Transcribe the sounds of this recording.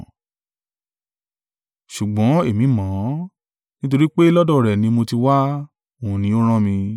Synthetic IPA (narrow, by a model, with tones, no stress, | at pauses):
ʃu˨ɡ͡bɔ̃˨˦e˦˨mĩ˨˦mã˨˦ | nĩ˦t̬o˧ɾi˦k͡pe˦lɔ˦dɔ˦˨ɾɛ˨nĩ˧mo˧ti˧wa˦ | o˨ũ˨nĩ˨˦o˦ɾ̃ã˦mĩ˧